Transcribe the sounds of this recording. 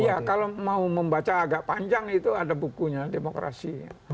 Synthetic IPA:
ijakalomauməmbat͡ʃaːɡaʔpaɲd͡ʒaŋit̪uadabukuɲademokɾa̰sia̰

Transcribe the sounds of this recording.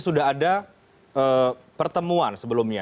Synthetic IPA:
sudaɦada | ʔəːpərt̪əmuansəbəlʊmɲa

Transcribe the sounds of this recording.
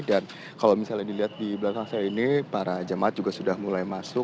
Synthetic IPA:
dan | kalawmisalɲadiliɦat̪̚diblakaŋsajainipaɾad͡ʒamaʔat̪̚d͡ʒuɡasudahmulajmasʊ

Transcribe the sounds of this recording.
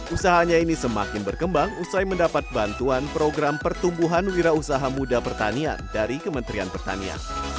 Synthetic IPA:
ʔusaɦaɲainisəma̰kɪnbərkəmbaŋusajməndapat̪̚bant̪uanpɾoɡɾampərt̪umbuɦanwiɾausaɦamudapərt̪a̰nia̰ndaɾikəmənt̪ɾianpərt̪a̰nia̰n

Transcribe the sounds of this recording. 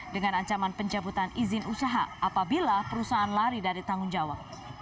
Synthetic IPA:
dəŋanaɲt͡ʃamanpəɲd͡ʒabut̪anizɪnusaɦaʔapabilapəɾusaɦanlaɾidaɾit̪aŋʊnd͡ʒawak̚

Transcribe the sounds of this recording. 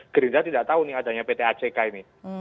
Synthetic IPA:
ɡ̥əɾind͡ʒ̪at̪idaʔt̪aunɪada̤ɲapet̪eat͡ʃekaini

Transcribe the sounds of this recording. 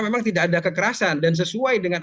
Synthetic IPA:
memaŋt̪idakadakəkəɾasandans̬əsuajdəŋan

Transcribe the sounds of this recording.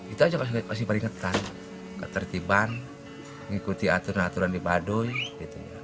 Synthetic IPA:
it̪uad͡ʒakamas̬ihpəɾiŋat̪an | kat̪ərt̪iban | ŋikut̪iat̪uɾanat̪uɾandibadɔiɡit̪ṵja̰

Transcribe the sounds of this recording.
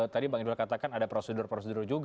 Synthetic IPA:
t̪adibaŋidulakat̪akanadapɾosədʊrpɾosədʊrd͡ʒuɡ

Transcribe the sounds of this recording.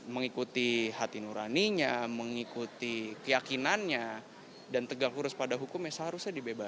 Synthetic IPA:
məŋikut̪iɦat̪inuɾa̰niɲaməŋikut̪ikəjakinanɲa | dant̪əɡaŋkuɾʊspadaɦukʊmjasɦaɾusɲadibebas

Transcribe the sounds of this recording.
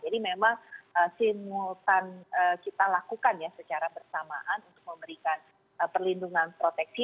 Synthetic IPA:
d͡ʒadimemaŋʔəsimut̪anəkit̪alakukanjasət͡ʃaɾabərsama̰ʔanunt̪ʊ̥k̚məmbəɾikan | əpərlinduŋanpɾot̪ɛk̚t̪i

